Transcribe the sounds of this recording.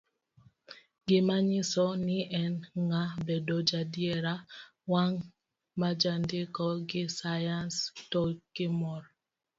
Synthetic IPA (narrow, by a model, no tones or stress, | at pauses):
ɡɪmaɲɪsɔnɪʔɛnŋabedɔd͡ʒadjɛɾa | waŋ | mad͡ʒandɪkɔɡɪsajanstɔɡɪmɔr